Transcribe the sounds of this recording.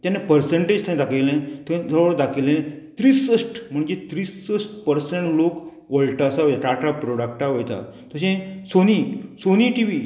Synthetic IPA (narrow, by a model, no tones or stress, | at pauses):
t̪janepəɾseɳʈed͡ʑt̪ãed̪akʰejlẽt̪ed͡zəɭʋəɭd̪akʰelenet̪ɾiːsəʂʈm̤əɳd͡ʑet̪ɾiːsəsʈpəɾseɳʈlok | ʋəɭʈasaojt̪aʈaʈapɾoɽak̚ʈaʋojt̪a̰t̪əɕẽsonisoniʈiʋiː